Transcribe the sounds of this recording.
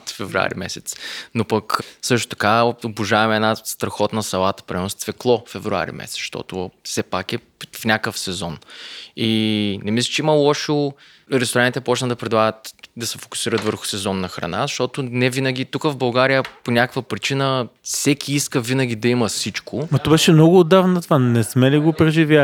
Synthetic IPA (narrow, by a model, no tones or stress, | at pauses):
t̪fɛvɾua̰ɾḭmɛsɛt̪snopəksɤʃt̪o̥t̪ɐ̥kaobʊʒavɛmɛːdnast̪ɾɐxɔt̪nəsɐlˠat̪ə̥pɾiɛnʊst̪vɛklˠɔfɛvɾua̰ɾḭmɛ̰sɛt̪ʃt̪ɔ̰t̪ʊfsɛpakɛ | fnʲakəfsɛzɔninɛmislʲi̥t͡ʃɛiməlˠɔʃəlˠ | ɾɛst̪oɾanit̪ɛpɔt͡ʃnət̪d̪ɐpɾɛd̪lˠaɡət̪d̪ɐsɛfo̥kʊ̥siɾət̪vəɾxʊ̥sɛzɔnːɐxɾɐ̰na̰zɐʃt̪ɔt̪ʊnɛvinəɡ̟it̪ukəvbɐlˠɡaɾijəponʲakəkvəpɾit͡ʃinəfsɛkʰʲiiskəvinəɡʲid̪ɐiməsit͡ʃkomɐt̪ɔbɛʃɛmnɔɡʊːd̪avnt̪vanɛsmɛliɡopɾɛʒivja